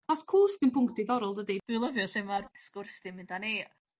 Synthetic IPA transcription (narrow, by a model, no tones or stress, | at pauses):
ɔskʰuːsɡənpʊŋktiðɔɾɔlˠdədid̥ɨlˠəvjɔɬɪmarskʊrsd̥ɪmɪndaneː